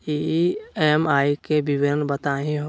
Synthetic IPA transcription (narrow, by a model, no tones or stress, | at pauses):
iemaːikebɪʋɪɾənbət̪aːɦĩɦo